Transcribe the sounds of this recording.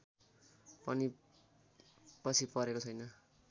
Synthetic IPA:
pʌni | pʌt͡sʰipʌɾekot͡sʰʌjnʌ

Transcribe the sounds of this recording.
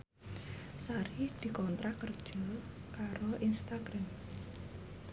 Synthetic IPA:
saɾid̪̥i̤kɔnt̪ɾakərd̥ʒ̥ɔkaɾoʔinst̪aɡ̥ɾam

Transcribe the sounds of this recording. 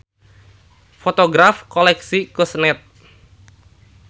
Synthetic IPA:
fot̪oɡɾafkɔlɛksikusnɛt̪̚

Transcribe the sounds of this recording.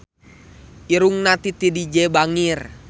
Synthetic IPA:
ʔiɾuŋnat̪it̪idid͡ʒɛbaŋir

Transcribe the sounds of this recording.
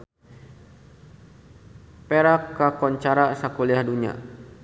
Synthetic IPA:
peɾakːakɔɲt͡ʃaɾasakuliahduɲa̰

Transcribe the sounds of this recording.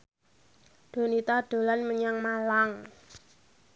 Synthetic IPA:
ɖ̥o̤nit̪aɖ̪̥o̤lanməɲaŋmalaŋ

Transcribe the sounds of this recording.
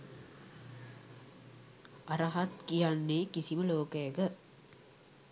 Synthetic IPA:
ɐɾɐɦat̪kijanːeːkisiməloːkəjeɡə

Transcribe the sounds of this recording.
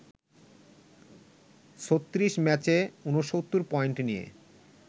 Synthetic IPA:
ʃot̪ːɾiʃmɛt͡ɕeunoʃot̪ːuɾpɔeɳʈnijḛ

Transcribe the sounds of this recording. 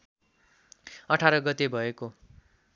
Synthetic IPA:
ʌʈʰaɾʌɡʌt̪ebʱʌeko

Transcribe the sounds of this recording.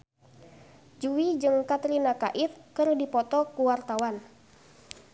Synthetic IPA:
d͡ʒuwid͡ʒɨŋkat̪ɾinakaʔifkɨrdipɔt̪ɔkuwart̪awan

